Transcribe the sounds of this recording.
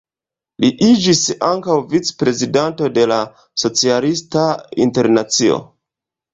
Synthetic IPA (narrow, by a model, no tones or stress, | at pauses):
liʔid͡ʒisaŋkawvit͡spɾe̞zidanto̞de̞la | so̞t͡sialistaḭnte̞ɾnat͡sio̞̰